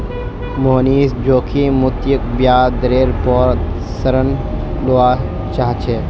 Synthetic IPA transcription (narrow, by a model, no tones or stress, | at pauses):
moːniːsd͡ʒoːkʰimʊt̪jək̚bjaːd̪əɾeːɾpɔːɾ | səɾənloa | t͡ʃaːɦt͡ʃʰeː